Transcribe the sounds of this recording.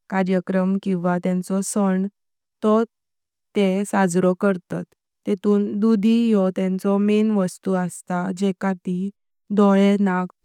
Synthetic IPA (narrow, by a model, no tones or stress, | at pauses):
kaɾjəkɾəmkĩw̃ʋat̪jɛ̃nt͡sɔsəɳ | t̪ɔ | t̪esad͡zɾɔkəɾt̪a̰t̪ː | et̪uːnd̪ud̪ʱijɔt̪jɛ̃nt͡sɔmenʋəst̪uəst̪ad͡ʑɛkat̪i | d̪ɔjenak